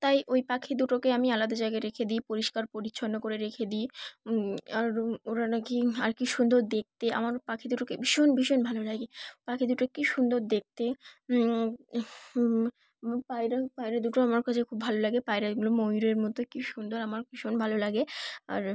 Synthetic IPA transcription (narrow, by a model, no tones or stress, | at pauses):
t̪ajʔojpakʰid̪uʈokeamialad̪ad͡ʑajɡaɾekʰed̪iːpoɾiʃkaɾpoɾiɕʰonːokoɾeɾekʰed̪i | aɾoɾanakiaɾkiʃund̪oɾd̪ek̚t̪eʔa̰maɾpakʰid̪uʈokebiʃonbiʃonbʱalolaɡepakʰid̪uʈokːiʃund̪oɾd̪ek̚t̪e | pajɾapajɾad̪uʈoamaɾkat͡ɕʰekʰubːʱalolaɡepajɾaɡulomojɾeɾmɔt̪okiʃund̪oɾamaɾbiʃonbʱalolaɡea̰ɾ